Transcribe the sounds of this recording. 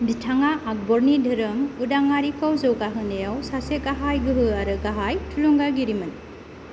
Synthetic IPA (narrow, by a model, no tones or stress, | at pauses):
bitʰaŋaʔːk̚bɔɾnidʱɯɾɯmudaŋːaɾikʰɔwzɯwɡaɦɯnejawsaseɡaɦajɡɯɦɯaɾɯɡaɦajtʰuluŋɡaɡiɾimɯn